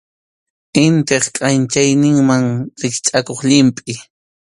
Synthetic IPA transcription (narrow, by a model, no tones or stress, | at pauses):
ɪnt̪eχkʼant͡ʃajnɪŋmaŋɾɪkt͡ʃʼakoχʎɪmpʼɪ